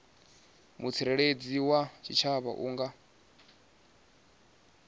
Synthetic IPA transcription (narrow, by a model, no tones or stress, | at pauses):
mut͡sʰiɾɛɺed͡ziwat͡ʃʰit͡ʃʰaβa̰ʔuːŋɡa